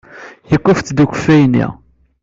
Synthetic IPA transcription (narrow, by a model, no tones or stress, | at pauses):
jəkʷːəfθd̪ukʷə̥fːæjnːḭ